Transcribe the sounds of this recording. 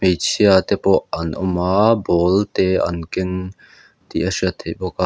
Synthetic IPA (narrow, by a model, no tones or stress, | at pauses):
mejt͡sʰiat̪ɛpɔʔʔɐnʔɔmaːbɔːlt̪ɛʔɐ̰nkɪn | t̪iʔɐsiət̪ʰeʔbɔka